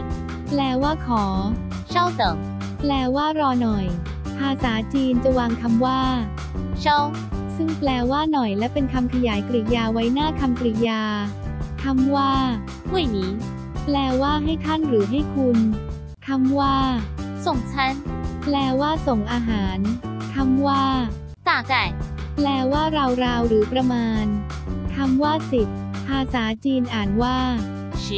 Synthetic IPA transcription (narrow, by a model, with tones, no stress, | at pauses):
plɛː˧waː˥˩kʰɔː˩˦ | t͡ɕʰɔ˥˩wsɔ˨˩˦ŋ | plɛː˧waː˥˩ɾɔː˧nɔ˨˩j | pʰaː˧saː˩˦t͡ɕiː˧nt͡ɕa˨˩waː˧ŋkʰa˧mwaː˥˩ | t͡ɕʰɔ˥˩w | sɯ˥˩ŋplɛː˧waː˥˩nɔ˨˩jlɛ˦˥wpe˧nkʰa˧mkʰa˧jaː˩˦jkɾi˨˩jaː˧wa˦˥jnaː˥˩kʰa˧mkɾi˨˩jaː˧kʰa˧˥mwaː˥˩ | hu˦˥˩jniː˩˦ | plɛː˧waː˥˩ɦa˥˩jt̪ʰa˥˩nɾɯː˩˦ɦa˥˩jkʰu˧n | k̪ʰa˧˥mwaː˥˩so˨˩ŋt͡ɕʰa˦˥˩nplɛː˧waː˥˩so˨˩ŋʔaː˧ɦaː˩˦nt̪ʰa˦˧˥mwaː˥˩ | taː˨˩ka˨˩ | plɛː˧waː˥˩ɾa˧wɾaː˧wɾɯː˩˦pɾa˧maː˧n | k̪ʰa˧˥mwaː˥˩si˨˩t̪̚pʰaː˧saː˩˦t͡ɕiː˧nʔaː˨˩nwaː˥˩˦